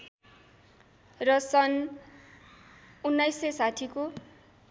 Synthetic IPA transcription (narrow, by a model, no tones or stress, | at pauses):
rʌsʌn | unːajsesaʈʰiko